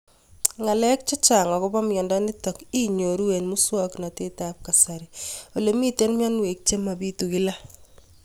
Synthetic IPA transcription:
ŋa˨lɛ˦k̚t͡ʃɔ˦t͡ʃa˨ŋa˨kʊ˦ba˦mjɔ˨nda˦nɪ˦tɔ˨ki˦ɲo˨ɾu˦we˨nmu˦swa˦kna˨te˦ta˦p̚ka˨sa˨ɾio˨le˨˦mi˦te˦nmja˦nwe˨k̚t͡ʃe˦ma˨bi˦tu˨kɪ˦la˦

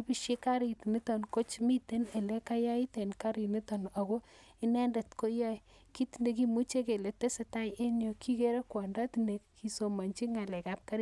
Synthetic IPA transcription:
pi˨ʃje˦ka˦ɾitni˦tɔ˨nko˦t͡ʃmi˦te˦ne˨le˦ka˦ja˦i˦te˨nka˦ɾi˨ni˦tɔ˨na˨ko˦ | i˦nɛ˦nde˨tko˦ja˦i˨ | ki˦ti˦nde˨k̬i˦mu˦t͡ʃe˦ke˨le˨te˦se˨ta˦je˦njɔ˨kʰi˦ke˦ɾe˦kwɔ˨nda˦ti˨nde˨ki˨so˨ma˨nt͡ʃi˦ŋa˨le˨ka˨p̚ka˦ɾi˦

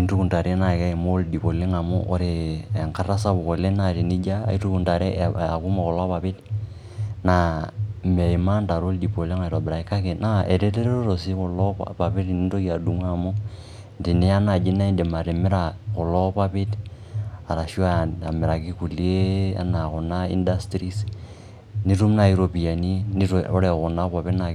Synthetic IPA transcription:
i˦ntu˦ku˨nta˨ɾe˦na˨ka˦i˨mo˦ldi˨po˨le˦ŋa˨mo̰˦ʔo˦ɾe˨e˨ŋka˦ra˦sa˦bu˨ko˨le˦na˨ɾi˨ni˦d͡ʒa̰˦˨i˦tu˦ku˨nta˨ɾe˦˨a˨ku˦mo˨kɔ˨lɔ˦pa˨pɪ˦t | na˨me˨i˨ma˦nta˨ɾo˦ldi˨po˨le˦ŋa˨ɾɔ˨bɪ˨ɾa˨i˦ka˦ke˨na˦e˨te˦te˦ɾo˦ɾo˨si˦kɔ˨lɔ̰˦pa˨pi˦ti˨ni˦to˦ki˨a˨du˦ŋʷa˦˨mu˦ | ndi˨nɛ˦a˦na˨d͡ʒi˦na˦i˦ndɛ˨ma˨ɾɛ˨mɪ˦ɾa˨kʊ˨lɔ˦pa˦pɪ˦t | a˨ɾa˨ʃu˦a˦˨a̰˨mɪ˨ɾa˨ki˦ku˨lje˦a̰˦na˨kʊ˨na˦ḭ˦nda˦stɾi˦s | ni˦ɾu˦mna˦i˦ɾo˨pi˨ja˨ni˦ni˦o˦ɾɛ˨kʊ˨na˦pa˨pɪ˦na˨

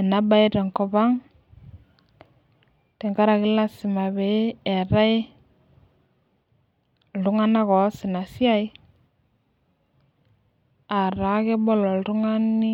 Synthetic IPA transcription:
ɛ˨na˦ba˦i˦te˨ŋkɔ˨ba˦ŋ | te˨ŋka˦ɾa˨kɪ˦la˦sɪ˨ma˨be˨˦ɛ˨ɾa˦ɪ˦ | ldu˦ŋa˦na˦kɔ˨˦sɪ˨na˨si˦a˦j | a˨ɾa˨˦ke˦bɔ˦lɔ˨ltu˦ŋa˦ni˦

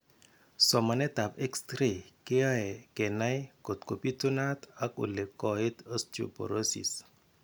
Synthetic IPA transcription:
sɔ˨ma˨nɛ˦t̪a˨pɛ˦kstɾe˨ke˦a˦ɛ˨kɛ˨na˦jko˨t̪ko˨pi˦tu˦na˦t̪a˦ko̰˨le˨kːɔ˨ɪ˦t̪o˦stṵ˨po̰˨ɾo˦sḭ˨s

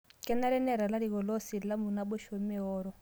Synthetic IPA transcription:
kʼɛ˦na˦ɾɛ˦nɛ˨ɾa˨la˦ɾi˨ɣɔ˨lo˦si˨la˦mu˨na˦bɔ˦ʃo˨mi˦ɦɔːɾɔ˦˨

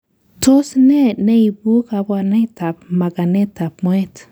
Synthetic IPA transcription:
to˦sne˦ne˦i˨bu˦ka˨bwa˨nɛ˦ta˨pma˨ɡa˨ne˦ta˨p̚mo˦e˦t

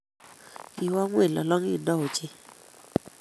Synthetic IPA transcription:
i˨wa˦ŋwe˦˨lɔ˨lɔ˦ŋi˦˨nɔ˦o˨t͡ʃe˦

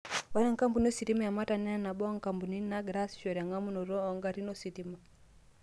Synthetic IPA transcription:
wa˦na˦ŋka˦mbu˨n˦o˦si˨ti˦ma˦ja˨ma˦ta˨nɛ˦a˦na˨ɓɔ˦ŋka˨mbu˨ni˦na˦ɡɾa˦sʃɔ˨ɾa˨ŋa˦mu˦nɔ˨ɾɔː˦˨ŋɡa˨ɾi˦nɔ˦si˨ti˦ma˨

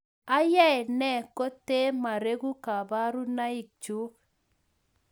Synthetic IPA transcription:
a˦jɛ˦ɛ˨nɛ˦˨ko˦te˦ma˨ɾe˦ɣu˦ka˨ba˦ɾu˦na˦i˨k̚t͡ʃu˦k

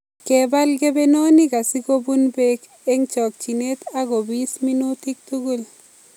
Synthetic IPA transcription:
ke˨ba˦lɡe˦be˦no˦ni˦ka˨si˦ko˦bu˦nbe˦k | e˦ŋt͡ʃɔ˨k̚t͡ʃi˨ne˦t̪a˦ɡo˨bi˦smi˦nu˦t̪i˦k̚tu˦ɡu˦l

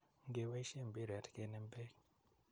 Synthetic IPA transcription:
ŋɡe˨we˦i˦ʃe˦˨mbe˦˨ɾi˨a˨ti̥˦ke˦ne˦mbeː˦ki˨

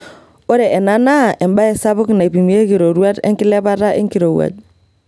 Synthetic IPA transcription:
o˦ɾe˨ʔe˨na˦na˦˨ʔe˨mba˦e˨sa˦bʊ˦kna˨i˨pi˨mi˨je˦ki˨ɾo˨ɾu˦a˦tḛ˦ŋki˦le˦ba˦ta˦ʔḛ˦ŋki˨ɾo˨wa̰˨ɟ̚

